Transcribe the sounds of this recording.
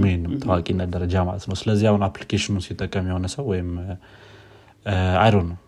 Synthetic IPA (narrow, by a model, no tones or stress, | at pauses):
mihenːɨmt̪ʰəwakʼinːəd̪əɾəd͡ʒama̰lət̪nəwsɨləzːihahunaplikʰeʃɪnunsit̪ʼːəkʼːəmjɛho̞nəsəwːɔjɪm | ajɾonːəw